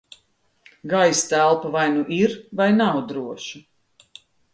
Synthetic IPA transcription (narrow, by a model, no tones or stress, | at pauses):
ɡajst̪ælˠpavajnuʔiɾvajnawd̪ɾuɔʃu